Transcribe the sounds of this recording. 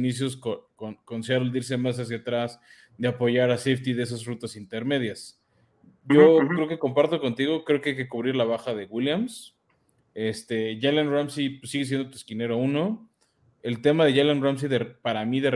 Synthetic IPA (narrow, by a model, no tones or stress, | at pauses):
nis̬jo̞s̬kokonkonsjaɾold̪iɾs̬e̞mas̬as̬jat̪ɾaz | d̪e̞apo̞ʝaɾaseft̪iðee̞s̬azrut̪asint̪e̞ɾme̞ðjas | ɟ͡ʝokɾeokeko̞mpaɾt̪o̞ko̞nt̪iɣo̞kɾe̞okeajke̞kuβɾiɾlaβ̞axaðe̞ɣwiljams | e̞st̪e̞ʝalanramsipsːiɣes̬je̞nd̪ot̪weskine̞ɾouno̞ | e̞lt̪e̞maðe̞ʝalanrams̬iðepaɾamiðe̞r